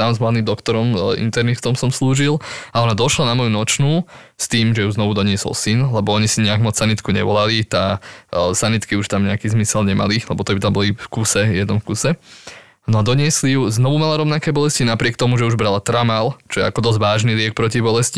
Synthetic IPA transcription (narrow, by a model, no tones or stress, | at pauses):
t̪amzmlad̪nimd̪ɔkt̪ɔɾɔmḭnt̪ɛɾnift̪ɔmsɔmsluːʒilˠaɔnad̪ɔʃlanamɔjunɔt͡ʃnuː | st̪iːmʒɛjuznɔʋud̪ɔɲɪɛsɔ̰lsinlɛbɔɔɲisiɲɛaɡmɔt͡ssanit̪kuɲɛ̰ʋɔlalit̪a | sanit̪kiuʃt̪amɲɛakiːzmisɛlɲɛma̰lilɛbɔt̪ɔbit̪ambɔlifkusɛjɛd̪nɔmfkusɛ | nɔad̪ɔɲɪɛslijuznɔʋumalaɾɔʋnakɛːbɔlɛscinapɾɪɛkt̪ɔmuʒɛuʒbɾalat̪ɾamalt͡ʃɔjɛ̰akɔd̪ɔzʋaːʒnilɪɛk̚pɾɔcibɔlɛsci